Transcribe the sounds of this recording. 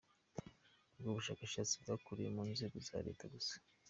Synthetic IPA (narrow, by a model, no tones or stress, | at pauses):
bɡoβuʃaːkaʃat͡sibɡakuɾijemuːnzeːɡoza̰ːɾe̞̰ːtaɡusḁ